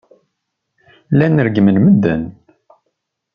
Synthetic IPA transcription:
lænəɾɡmənməd̪ːən

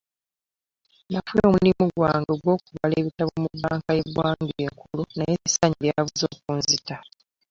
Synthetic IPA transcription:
nafulomlimuɡwaːŋɡoɡwo̞ːkuβale̞ːβitaβomubaːŋkajeβwaːŋɡueŋkulonajeβisaɲiβjaβuzo̞ːkuːnzita

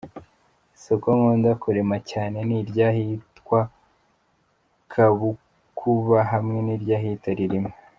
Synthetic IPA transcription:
sokomondakuɾe̞macaːne̞niɾɟaːhitkwa | kʰaβu | kʰuβaɦamŋe̞niɾɟaːɦiːtaɾiɾime

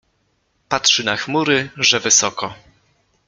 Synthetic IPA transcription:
patʂɘnaxmuɾɘʐɛvɘsɔkɔ

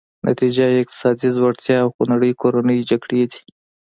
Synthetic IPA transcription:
nʔa̰t̪id͡ʒaɪq̚t̪ɪ̥sɑd̪izwaɽt̪jɑːwxonaɽəjkoɾanəjd͡ʒaɡɽed̪i̥

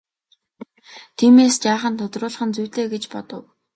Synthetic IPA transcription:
t̪ʰiːmeːst͡ɕaːχə̆nt̪ʰʊt̪rʊːɮ̆χə̆nt͡sujʲteːɡet͡ɕpɔt̪ɞ̆w

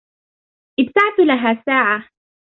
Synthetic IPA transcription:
ʔɪbt̪aʕt̪ʊlaɦaːsaːʕa

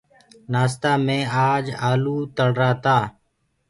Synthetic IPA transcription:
naːst̪aːmẽːaːd͡ʒaːluːt̪əɽɾaːt̪aː

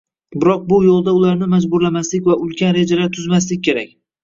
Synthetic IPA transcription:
bɪɾɒq̚bʊjolˠd̪aʊlaɾnɪmad͡ʒbʊɾlamaslɪkʲvaʊlˠkʲʰanɾe̞d͡ʒalaɾt̪ʰʊzmaslɪk̚ʲʰːe̞ɾakʲ

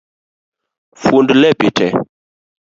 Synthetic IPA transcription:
fundlɛpitʰɛ

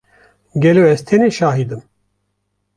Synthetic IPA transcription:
ɡʲɛloːɛz̥t̪ʰɛneːʃaːɦid̪ɨm

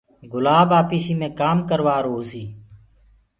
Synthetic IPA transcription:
ɡʊlaːbaːpiːsiːmẽːkaːmkəɾʋaːɾoːziː

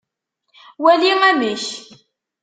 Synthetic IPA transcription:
wæliŋæməç

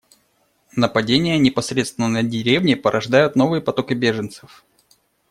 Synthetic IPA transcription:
nəpɐdʲenʲɪjənʲɪpɐsɾʲet̪st̪vʲɪnənədʲɪɾʲevnʲɪpəɾʔɐʐd̪ajʊt̪no̞vɨjəpɐt̪o̞kɪbʲeʐɨnt̪sɨf

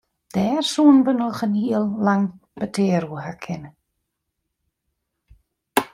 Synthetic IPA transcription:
d̥ɛːrsuːnbənəlˠχənhiːlˠlaŋb̥ətʰeːɾuhakʰɪn

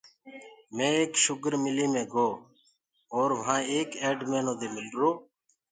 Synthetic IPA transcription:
mẽːeːkʃʊkɾmɪliːmẽːɡoː | oːɾʋəɦãːeːkeːɖmẽːnõːd̪eːmɪlɾoː

